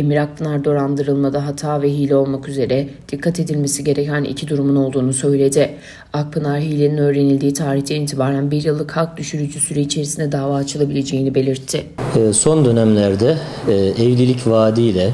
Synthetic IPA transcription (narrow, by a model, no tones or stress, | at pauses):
emiɾak̚pʰɯnaɾd̪o̞ɾand̪ɯɾɯlˠmad̪aɦat̪ʰaːvɛɦiːlʲɛo̞lˠmakyze̞ɾɛd̪̥ikʰːat̪ʰe̞d̪ilʲme̞siɟe̞ɾecʰænʔḭcʰid̪uɾumuno̞lˠd̪uːnusø̞jlʲe̞d̪ɪ | ak̚pʰɯnaɾɦiːlʲeninø̞ːɾe̞nilʲd̪iːt̪ʰaːɾiçt̪ʰɛniːnt̪ʰibaːɾænbiɾjɯlˠːɯkhak̚d̪yʃyɾyd͡ʒysyɾɛit͡ʃʰe̞ɾisind̪ɛd̪aːvaːt͡ʃʰɯlˠabilʲe̞d͡ʒe̞jinibe̞lʲiɾt̪ʰːɪːso̞nd̪ø̞næmlʲæɾd̪ɛɛvlʲilʲicvaːd̪ijlʲɛ